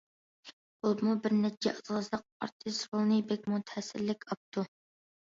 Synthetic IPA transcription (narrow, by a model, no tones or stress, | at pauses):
bulˠmubɪɾnɛt͡ʃʰɛɑzʁəzlˠəq̚ɑ̰ɾt̪ʰɨsɾolˠnɨbɛk̚ʲmut̪ʰɛsɪlːɪkʲʰɑp̚t̪ʰu